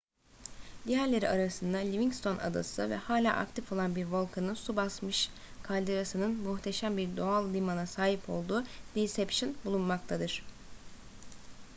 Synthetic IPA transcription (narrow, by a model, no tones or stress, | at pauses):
d̪ijæɾlʲe̞ɾiaɾasɯnd̪alʲiviŋkst̪ʰo̞na̰d̪a̰sɯvɛ̰haːlʲa̰ːʔa̰kt̪ʰifo̞lˠanbiɾvo̞lˠkʰanɯnsubasmɯʃ | kʰalʲd̪eɾasɯnɯnmuxt̪ʰe̞ʃæmbiɾd̪oalˠd̪imanasaːɦipʰo̞̰lˠd̪uːd̪̥isɛpʃɯnbulˠunmakt̪ʰad̪ɯɾ̥